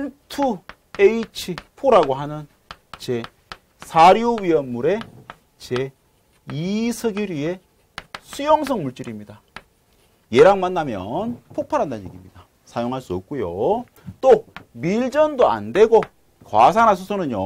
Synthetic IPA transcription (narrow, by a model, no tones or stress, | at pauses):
tʰu | eit͡ɕʰipʰoɾaɡoɦanɯn | t͡ɕe̞ | sʰaɾjowɥiʌnːuɾe̞ | t͡ɕe | isʰʌɡjuɾie̞ | sʰujoŋs̬ʰʌŋmuɭt͡ɕ͈iɾimɲida | je̞ɾaŋmanːamjʌ̰npʰok̚pʰaɾɦandanḛɡimɲid̥a | sʰajoŋɦaɭs͈uʌp̚k͈ujo | t͈omiɭd͡ʑʌndoa̰nde̞ɡo | kwas̬ʰanɦas̬ʰusʰonɯɲjo